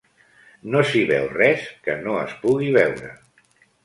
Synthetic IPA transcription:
nosiβɛwrɛskənoə̰spuɣiβɛwɾə̰

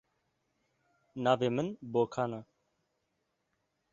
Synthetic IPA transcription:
naːvemənbokʰana

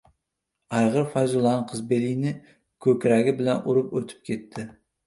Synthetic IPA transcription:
ɑjʁɨɾfɑjzulˠɑnqʰɨzbelijnɪ | kʲʰɵkʲɾæɡʲɪbɪlɛnʔuɾɨpɵt̪ʰɪ̥p̚kʲʰet̪ʰːɪ

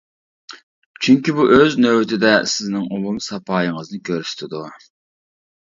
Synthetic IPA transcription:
t͡ʃʰyŋkʲibuʔøznøwt̪ʰɪd̪ɛsɪznɪŋomumsɑpʰɑːjəŋəznɨkʲʰøɾst̪ʰɪd̪u

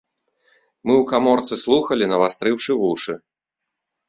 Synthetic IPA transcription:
mɨwkamɔrt̪sɨslˠuxɐlʲinɐvast̪ɾɨwʂɨvuʂɨ

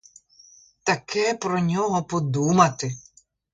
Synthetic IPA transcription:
t̪ɐkʰɛpɾɔnʲɔɦɔpɔd̪umɐt̪ɪ

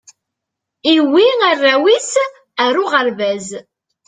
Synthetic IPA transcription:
iwiərːæwis | æɾʊʁəɾvæz

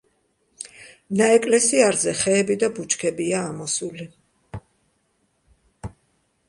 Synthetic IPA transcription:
naɛkʼlɛsiaɾzɛχɛːbid̪abut͡ʃʼkʰɛbiaːmɔsuli

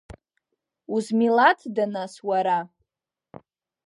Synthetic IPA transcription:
uzmilatʰdanaswaɾa

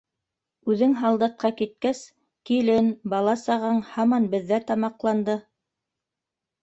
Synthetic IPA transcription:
ʉðɘŋɦɑlˠd̪ɤ̆q̚qːɑkit̪̚kæs | kilɘnbɑlˠɑsɑʁɤɴhɑmɑnbɘ̆ðːæt̪ɑmɑqlˠɑnd̪ɤ

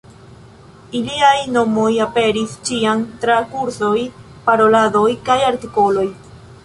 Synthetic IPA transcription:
iliajno̞mo̞jape̞ɾist͡ʃiant̪ɾakuɾso̞j | paɾo̞lado̞jkajaɾt̪iko̞lo̞j

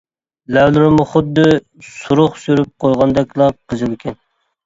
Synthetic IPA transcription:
læwlɪɾmʊχʊd̪ːɨ | suɾʊχsyɾyp̚qʰojʁɑnd̪ɛkʲlˠɑqʰəzɨlkʲʰɛn

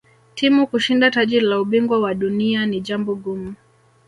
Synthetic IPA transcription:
tʰimukuʃindataʄilauɓiŋɡwawaɗunianiʄambɔɠumu

